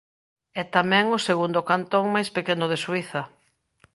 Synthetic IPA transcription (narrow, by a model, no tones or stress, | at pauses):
ɛt̪amɛ̃ŋʊseɣund̪okant̪oŋmajspekenʊð̞eswiθɐ